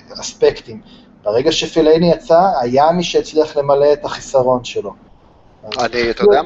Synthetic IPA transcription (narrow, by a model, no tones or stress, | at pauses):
aspe̞kt̪im | b̥eʁe̞ɡaʃefilejnijat͡saːjamiʃeet͡sliaχle̞male̞ːt̪aχisaʁo̞nʃelo̞ | anit̪